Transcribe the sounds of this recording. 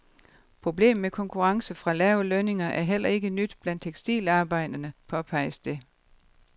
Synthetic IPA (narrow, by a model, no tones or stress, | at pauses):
pʰʁo̝b̥le̝̰ːmmekʰɒ̽ŋkʰuʁɑ̈ŋsəfʁɑ̈læːʊløne̝ŋɐʔæɐɦel̰ʔɐe̝ɡ̥ənyd̥b̥lænd̥̚t͡sʰeɡ̥sd̥ḭːlɑ̈ːb̥ɑ̈ɪ̰d̥ɐnəpʰɒ̽pʰɑ̈ɪ̰əsd̥e̝